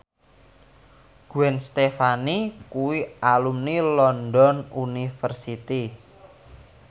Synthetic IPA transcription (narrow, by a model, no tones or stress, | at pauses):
ɡ̥uɛnst̪efanikuwialumnilɔnd̪ɔnunifərsit̪i